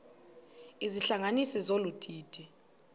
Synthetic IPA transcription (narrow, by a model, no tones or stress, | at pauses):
iziɬaŋanisizolutʰiːtʰi